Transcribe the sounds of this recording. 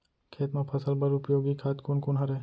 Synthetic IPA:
kʰeːt̪mẽpʰɐsəlbɐɾʊpjoːɡikʰaːt̪kuːnkʊnɦɐɾe

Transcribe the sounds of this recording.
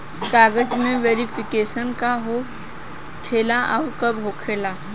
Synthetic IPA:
kaɡəd͡ʑmẽʋeɾifikeɕənkaɦo | kʰelaʔa̰wɾkəbʱokʰela

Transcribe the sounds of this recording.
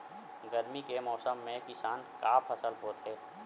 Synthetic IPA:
ɡəɾmikemɔːsəmːẽkɪsaːnkaːpʰɐsəlpoːt̪ɦɛː

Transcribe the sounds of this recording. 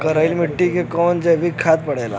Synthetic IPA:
kəɾailmiʈːikekɔnd͡ʑeʋikʰːat̪pəɽala̰

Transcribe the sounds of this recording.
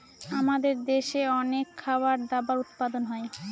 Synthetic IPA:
amad̪eɾd̪eʃeɔnekʰːawaɾd̪abaɾut̪pad̪onɦɔe

